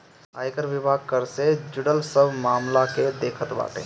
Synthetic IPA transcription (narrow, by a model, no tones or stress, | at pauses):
aːjkəɾʋɪbʱaːɡ̚kəɾsed͡ʒʊɽəlsəbʱmaːmlaked̪eːkʰət̪ba̰ːʈḛ̃